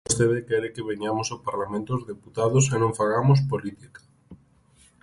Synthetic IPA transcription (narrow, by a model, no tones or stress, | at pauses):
st̪eβekɛɾekeβeɲamosopaɾlamẽnt̪ozðeput̪aðʊsenõŋfaɣamos̬polit̪ikḁ